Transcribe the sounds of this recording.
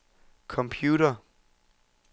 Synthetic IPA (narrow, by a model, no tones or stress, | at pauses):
kʰɒ̽mpʰjuːɾɐ